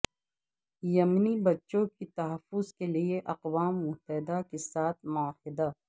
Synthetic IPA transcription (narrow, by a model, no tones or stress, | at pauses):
jɐmnibɐtːʃõkit̪ɐɦəfʊzkelieʔɐqwaːmːʊɦt̪ɛɪd̪akesaːt̪ʰmʊahɪd̪a